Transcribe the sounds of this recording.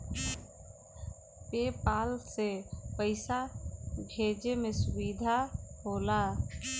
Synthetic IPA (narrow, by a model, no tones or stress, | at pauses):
pepaːlsepəɪsabʱeːd͡ʒemesʊʋid̪ʱaɦoːla